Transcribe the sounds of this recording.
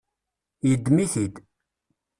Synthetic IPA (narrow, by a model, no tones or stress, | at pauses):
jəd̪ːmiθid̪